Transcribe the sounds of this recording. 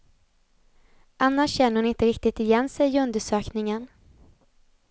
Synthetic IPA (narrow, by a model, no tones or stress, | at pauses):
ʔanːaʂɕɛnːəɾhʊnɪnt̪əɾɪk̚t̪ɪt̪ɪjɛnsɛjɵnd̪əʂøːknɪŋən